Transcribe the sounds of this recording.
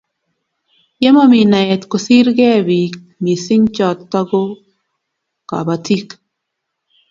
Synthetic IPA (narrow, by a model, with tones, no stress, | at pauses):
jɛ˦mɔ˦mi˨na˨ɛ˨t̪ko˨si˦ɾɡɛ˦wi˨k̚ | mi˨si˦ŋt͡ʃɔ˨t̪ːɔ˦ɡo˦ | ka̰˨ba˨tʰi˦k